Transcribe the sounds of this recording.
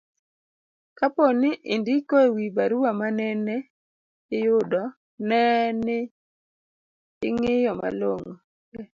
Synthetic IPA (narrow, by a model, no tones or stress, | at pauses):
kaponɪʔɪndɪkowibaɾuamanɛnɛ | ɪjʊdɔ | nɛnɪ | ɪŋɪjɔma̰loŋo